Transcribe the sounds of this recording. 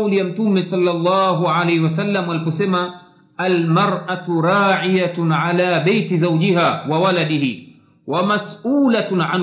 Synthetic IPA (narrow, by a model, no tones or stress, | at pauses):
wlijam̩tumɛsɑlːɑlˤːɑːɦuʕalɛjhiwasalːamalipɔsɛma | almaɾˤʔatuɾˤaːʕijaʕalaːbajtizawd͡ʒiɦaːwawaladihi | wamasʔuːlaʕan